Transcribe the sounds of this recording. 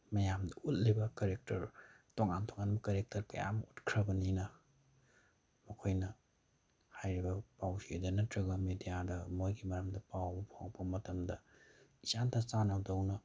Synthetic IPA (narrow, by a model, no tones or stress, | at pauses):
mɐjamdɐut̚libɐkɐɾek̚tɐɾtoŋantʰoŋanbɐkɐɾek̚tɐɾkɐja̰mɐutkʰɾɐbɐninɐ | mɐkʰojnɐ | hajɾibɐpawsied͡ʒɐnɐtɾɐɡɐmedijadɐmojɡimɐɾɐmdɐpawbɐpʰawpɐmɐtɐmdɐisantʰɐsanɐwdɐwnɐ